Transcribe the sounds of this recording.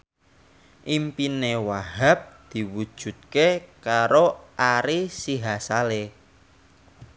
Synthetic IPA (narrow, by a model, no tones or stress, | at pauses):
ʔimpinewaɦap̚d̪̥i̤wud̥ʒ̥ṳt̪̚kekaɾoʔaɾisiɦasale